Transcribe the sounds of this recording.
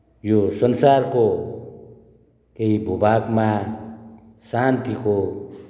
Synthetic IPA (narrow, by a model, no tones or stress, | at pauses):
josʌnsarko | keibʱubaɡma | sant̪iko